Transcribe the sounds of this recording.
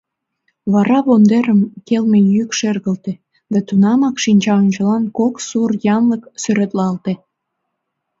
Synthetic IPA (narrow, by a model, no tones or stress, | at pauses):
βɑɾɑβond̪eɾəmkelmejykʃerɣəlt̪e | d̪æt̪unɑmɑkʃinʲt͡ɕɑonʲt͡ɕəlɑnkoksurjɑnləksøɾet̪lɑlt̪e